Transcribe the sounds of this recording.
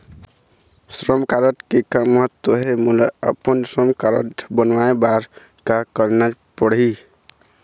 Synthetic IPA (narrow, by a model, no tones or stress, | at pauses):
sɾəmkaɾəʈkekaməɦət̪wəɦemulaə̰pənsɾəmkaɾə̰ʈbənʋaebaɾ | kakəɾna | pəɽi